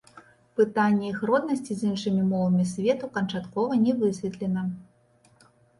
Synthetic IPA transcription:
pɨt̪anʲːɛixɾɔd̪nɐsʲt͡sʲizinʂɨmʲimɔvɐmʲisʲvʲɛt̪ukɐnt͡ʂat̪kɔvɐnʲɛvɨsʲvʲɛt̪lʲɛnɐ

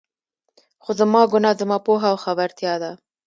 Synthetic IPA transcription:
xozəmɑɡʊnɑzəmɑpoɦawxabaɾt̪jɑd̪a

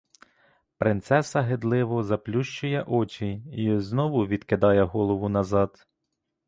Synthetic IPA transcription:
pɾɪnt̪sɛsɐɦed̪lˠɪʋɔzɐplʲuʃt͡ʃʊjɛʔɔt͡ʃʲiiznɔʋʊʋʲid̪kɪd̪ɑjɛɦɔlˠɔʋʊnɐzɑd̪

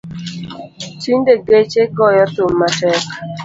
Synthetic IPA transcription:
t͡ʃiɲdeɡet͡ʃeɡɔjɔtʊmːatɛk

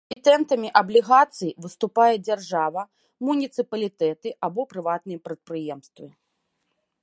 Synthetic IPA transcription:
it̪ɛnt̪ɐmʲiʔɐblʲiɣat̪sɨjvɨst̪upajɛd͡zʲarʐavɐ | munʲit̪sɨpɐlʲit̪ɛt̪ɨʔabɔpɾɨvat̪̚nɨjɛpɾɐt̪̚pɾɨjɛmst̪vɨ

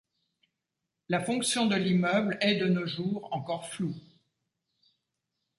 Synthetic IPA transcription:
lafɔ̃ksjɔ̃d̪əlimœblɛd̪ənoʒuːʁɑ̃kɔʁflu

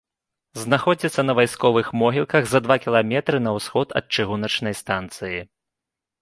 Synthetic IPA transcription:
znaxɔd͡zʲit̪sːɐnɐvajskɔvɨxmɔɦʲilkɐɣzɐd̪vakʲilˠamʲɛt̪ɾɨnɐwsxɔt̪ɐ̰t̪̚t͡ʂɨɣunɐt͡ʂnɐjst̪ant̪sɨji

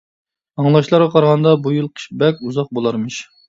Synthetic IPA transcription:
ɑŋlˠɑʃlˠɑɾʁɑqʰɑɾʁɑnd̪ɑbujɨlˠqʰə̥ʃbɛkʲuzɑq̚bolˠɑɾmɨʃ

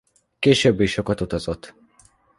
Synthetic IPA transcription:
keːʃøbːiʃokɒt̪ut̪ɒzot̪ː

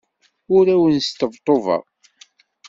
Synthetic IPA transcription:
ʊɾæwənst̪əvt̪ˤːovɑ̰ʁ

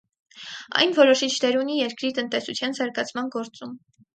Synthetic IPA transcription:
ɑ̰jnvɔɾɔʃit͡ʃʰnɛɾunijɛɾkɾit̪ənt̪ɛsut͡sʰjɑnzɑɾɡɑt͡sʰmɑnɡɔɾt͡sum

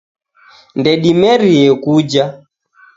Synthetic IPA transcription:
ndɛɗimɛɾiɛkud͡ʒa

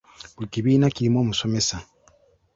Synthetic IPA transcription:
bulikiβiːnaciɾimo̞ːmuso̞me̞sa

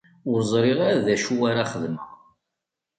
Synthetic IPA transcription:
ʊɾzˤɾˤiʁaɾðæʃuwaɾaχəðmə̰ʁ

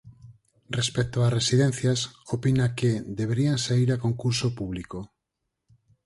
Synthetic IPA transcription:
respek̚t̪oaresiðen̟θjasopinaked̪eβ̞eɾiansaiɾakoŋkuɾsopuβ̞liko

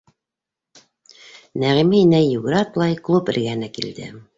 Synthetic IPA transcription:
næʁiminæjuɡɾɑt̪lˠɑjklˠupɘ̆ɾɡænɘkild̪ɘ̰

